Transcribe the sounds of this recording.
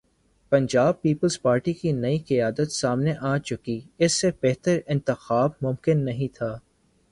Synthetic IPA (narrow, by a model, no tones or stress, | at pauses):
pɐ̃ɲd͡ʒaːb̚piːpəlzpaːɾʈikinɐiqijaːd̪ət̪saːmneʔaːt͡ʃʊkiɪsːeb̥ɛɦt̪əɾɪ̃nt̪ɪxaːb̚mʊ̃mkɪnːɐɦĩt̪ʰaː